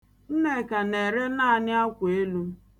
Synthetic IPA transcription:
n̩˦ne˨ka˨ne˨ɾe˦na˦a˨nɪ˦a˦kʷe˦lu˦

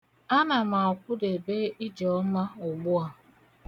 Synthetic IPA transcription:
a˦na˨ma˨kʷʊ˦de˨be˦i˦d͡ʒɔ˨˦ma˦ʊ˨ɡ͡bʊ˦a˨

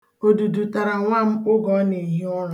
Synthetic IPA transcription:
o˨du˨du˨ta˨ɾa˨ŋʷa˦m̩˦ʊ˦ɡɔ˦ne˨ɦɪ˦ɔ˦ɾʊ˨

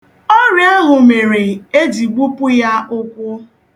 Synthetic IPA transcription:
ɔ˦ɾje˦ɦʊ˨me˨ɾe˨e˦di˨ɡ͡bʷu˦pʊ˦ja˦ʊ˦kʷʊ˦

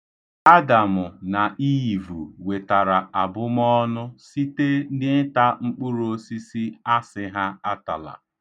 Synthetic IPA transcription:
a˦da˨mʊ˨na˨i˦˨vṵ˨we˨ta˨ɾa˨a˨bʊ˦m˦ɔ˦nʊ˦si˦te˦dɪ˦ta˦ŋ͡m̩˦k͡pʊ˦ɾo˦si˦si˦a˦sɪ˦ɦa˦a˦ta˨la̰˨

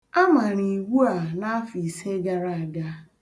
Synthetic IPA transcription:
a˦ma˨ɾi˨ɡu˦a˨na˦a˦fi˨se˦ɡa˦ɾa˨a˨ɡa˦

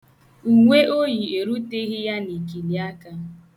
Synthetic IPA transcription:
u˨ŋʷe˦ʔo˦ji˨e˨ɾu˦te˦ɣɪ˦ja˦ni˨ki˨li˨a˦ka˦

